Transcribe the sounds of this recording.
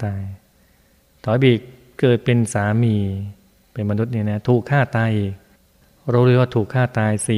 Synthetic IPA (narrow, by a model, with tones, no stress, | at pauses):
t̪aː˧j | t̪ʰɔː˨˦jbiː˨˩k | kɤː˨˩t̪̚pe˧nsaː˩˦miː˧ | pe˧nma˧nu˦˥t̪̚niː˧˥˩na˦˥t̪ʰuː˨˩kʰːaː˥˩t̪aː˧jʔi˨˩k̚ | ɾa˧wɾu˧˥˩kwaː˥˩t̪ʰuː˨˩kʰːaː˥˩t̪aː˧jsiː˨˩